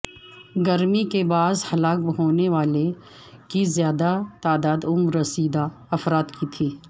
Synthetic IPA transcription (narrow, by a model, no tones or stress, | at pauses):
ɡɐɾmikebaːzhɐlaːk̚bɦoːneʋaːle | kizjaːd̪at̪aːd̪aːd̪ʊmɾɐsiːd̪a | ɐfɾaːt̪kit̪ʰiː